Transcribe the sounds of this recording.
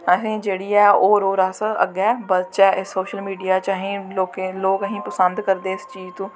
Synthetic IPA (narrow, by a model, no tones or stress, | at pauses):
aːsẽːd͡ʒeːɽiːɛːoːɾoːɾaːsəə̰ɡɛːbəst͡ʃɛːʔɪsoːʃəlmiːɖijaːt͡ʃaːɦĩloːkeloːɡəɦĩːpəsə̃nd̪kəɾd̪eːɪst͡ʃiːd͡ʒt̪ũː